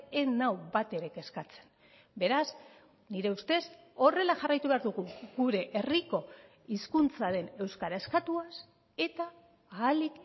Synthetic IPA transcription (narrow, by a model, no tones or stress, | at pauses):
enawbat̪e̞ɾeke̞skat͡se̞̥n | be̞ɾaz | niɾe̞ust̪e̞s | o̞re̞laʝarajt̪uβe̞aɾðuɣuɣuɾe̞ʔeriko̞ | iskunt͡saɾe̞ne̞wskaɾae̞skat̪uas | e̞t̪aː | lik